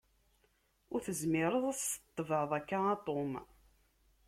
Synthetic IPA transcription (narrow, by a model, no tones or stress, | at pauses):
ʊɾθəzmɪɾˤəðˤæsə̥t̪ˤːəvəʕðˤækːaɑt̪ˤom